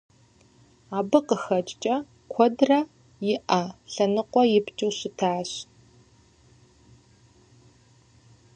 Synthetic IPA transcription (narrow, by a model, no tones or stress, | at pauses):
aːbɨqəxɐt͡ʃʼt͡ʃʼɐ | kʷʰɔdrɐ | jɪʔɐɬɐnɨqʷɔjɪpt͡ʃʼɨwɕɪtʰaːɕ